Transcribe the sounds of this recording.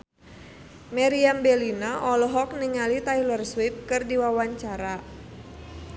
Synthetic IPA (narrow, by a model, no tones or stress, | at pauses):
mɛɾiambɛlinaʔɔlɔɦɔk̚niŋalit̪ajlərswip̚kɨrdiwawaɲt͡ʃaɾa